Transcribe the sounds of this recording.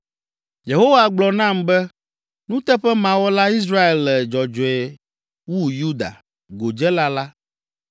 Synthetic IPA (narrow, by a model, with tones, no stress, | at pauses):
je˨ɦo˦wa˨ɡ͡blɔ˨nã˦˨mbɛ˦ | nũ˦t̪ɛ˦ɸɛ˦mã˨wɔ˦la˦i˦s̬ɾa˦e˨lːɛ˨d͡ʒɔ˨d͡ʒɔ˨ɛ˨ | wu˦ju˦d̪a̰˨ | ɡo˨d͡ʒɛ˦la˦la˦